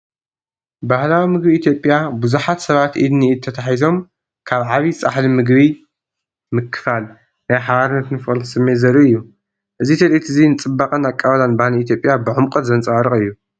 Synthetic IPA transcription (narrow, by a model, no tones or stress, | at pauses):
bahlawimɨɡbiːt̪ʰjo̞pʼːjabuzuħat̪sɐβat̪ʔid̪niːt̪ʰɐt̪ʰaħizo̞m | kʰaβʕaβiɨsʼaħlimɨɡβi | mɨkʰːɨ̥fal | najħaβaɾɨnːɐt̪nɨfɨχʼlsɨmːezɐɾiɨjːu | ʔɨzit̪ʰɐlit̪ʰɨzinɨt͡sʼɨbːaqʼɐnakʼːaβɐlanbahliit̪̬ʰjo̞pʼjabɨʕʊmkʼɐt̪zɐnt͡sʼwaɾɨχʼɨjːu